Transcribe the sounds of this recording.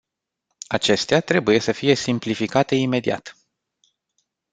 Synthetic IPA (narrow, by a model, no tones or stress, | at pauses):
at͡ʃe̞st̪eat̪ɾe̞buje̞səfije̞simplifikat̪e̞ime̞d̪ia̰t̪